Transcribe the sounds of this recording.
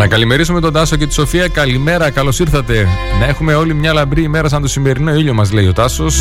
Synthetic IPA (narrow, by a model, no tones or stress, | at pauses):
nɐkɐlime̞ɾisume̞t̪o̞nd̪ɐsoce̞t̪iso̞fiɐkɐlime̞ɾɐkɐlo̞siɾθɐt̪e̞nɐe̞xume̞o̞limɲɐlɐbɾiːme̞ɾɐs̬ɐnd̪osime̞ɾino̞iʎo̞mɐzle̞io̞t̪ɐso̞s